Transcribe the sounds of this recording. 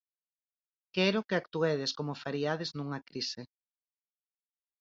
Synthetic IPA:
kɛɛɾokeakt̪uɛðeskomofaɾiað̞eznuŋakɾise

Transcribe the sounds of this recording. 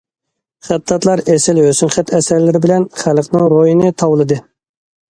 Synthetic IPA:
χæt̪lɑt̪lˠɑɾɛsɪlhøsynχæt̪ʰɛsæɾlɪɾɪbɪlɛnχælqnɨŋɾojinɨt̪ʰɑwlˠɨd̪ɨ

